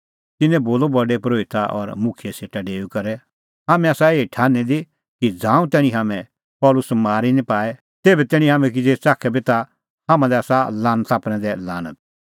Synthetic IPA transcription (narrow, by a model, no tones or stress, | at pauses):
t̪ɪnːɛ̃boːlobɐɖepɾoːɪt̪aʔɔɾmʊ̃kʰɪjeseːʈaɖeːukɐɾɛ | ɦaːmɛ̃aːsaeːiʈʰaːnɛd̪i | kid͡zãːũt̪ɛːɽ̃ĩɦaːmɛ̃ | pɔːlʊsmaːɾinĩpaːɛ | t̪eːbɛt̪ɛːɽ̃ĩɦaːmɛ̃k̬id͡zeːt͡ʃaːkʰɛbʱit̪a | ɦãːmãd̪ɛaːsalãːnət̪aːpɽ̃ɛ̃d̪ɛla̰ːnə̰t̪̚